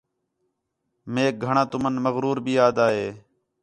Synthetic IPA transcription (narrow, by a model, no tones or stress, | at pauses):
meːk̚ɡʱəɳãːt̪ʊmənməɣɾuːɾbʱiːjaːd̪aːɦeː